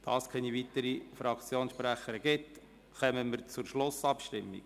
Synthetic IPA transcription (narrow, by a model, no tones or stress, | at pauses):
d̥ɑ̰ːskʰɛnivitəɾifɾɑkt͡sjoːnsʃpɾæχəɾəɡɪt | χœməməɾt͡suɾʃlʊsɑpʃtɪmːḭɡ